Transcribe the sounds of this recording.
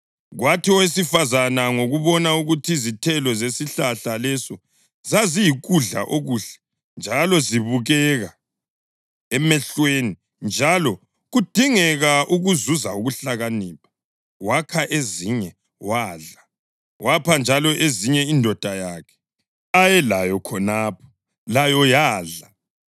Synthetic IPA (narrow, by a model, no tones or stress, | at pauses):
ɣwatʰiɔwesifazanaŋoɣuβɔnauɣutʰizitʰɛlɔzesiɬaɬalɛsɔ | zazijiɣuɮa̰ʔoɣuːɬɛ̥ | nd͡ʒʱalɔziβuɣɛɣa | ɛmɛɬweni | nd͡ʒʱalɔ | ɣud̥ʱiŋɛɣaʔuɣuzuzauɣuɬaɣaniːpʰḁ | wakʰaʔeziɲɛ | waːɮa | wʔapʰand͡ʒʱalɔʔeziɲɛindʱɔd̥ʱajaːkʰɛ̥ | ajɛlajɔkʰɔnaːpʰɔ̥ | lajɔjaːɮa